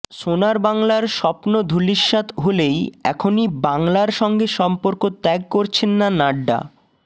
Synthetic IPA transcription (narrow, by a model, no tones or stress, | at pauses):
sonaɾbaŋlaɾʃɔpnod̪ʱuliʃːat̪ɦolejɛ̰kʰonibaŋlaɾʃɔŋɡeʃɔmpoɾkot̪ɛɡ̚koɾt͡ɕʰenːanaɖːa̰